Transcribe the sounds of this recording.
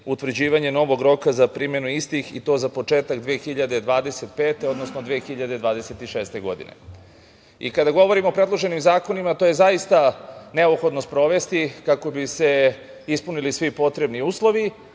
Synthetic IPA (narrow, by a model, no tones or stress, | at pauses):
ut̪ʋr̩d͡ʑiːʋaɲe̞no̞ʋo̞ɡɾo̞kazapɾiːmje̞nuist̪ixḭt̪o̞ːzapo̞t͡ʃe̞ːt̪aɡd̪ʋeːxiʎad̪ed̪ʋaːd̪e̞set̪pe̞ːt̪e̞o̞d̪nosnod̪ʋeːxiʎad̪e̞d̪ʋaːd̪ese̞t̪iʃeːst̪e̞ɡo̞̰d̪ḭnḛ | ḭkad̪aɡo̞ʋo̞ɾimopɾe̞d̪lˠo̞ʒe̞nimzaːko̞nimat̪o̞je̞zaist̪ane̞opxo̞d̪nost̪pɾo̞ʋe̞st̪ikako̞bise̞ | ispunilisʋipo̞t̪ɾe̞bniuːslˠo̞ʋi